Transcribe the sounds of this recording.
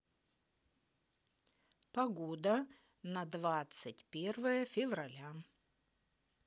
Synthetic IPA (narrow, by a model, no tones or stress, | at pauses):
pɐɡod̪ə | nɐd̪vat̪sɨtʲpʲervəjəfʲɪvrɐlʲa